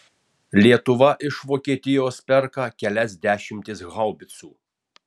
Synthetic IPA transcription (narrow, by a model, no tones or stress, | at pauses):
lʲiɛt̪ʊʋɐʔɪʃʋoːkʲiɛt̪ʲɪjoːspʲɛɾkɑːkʲɛlʲɛsd̪ʲæːʃʲɪmʲt̪ʲɪsɣɐlˠbʲɪt̪suː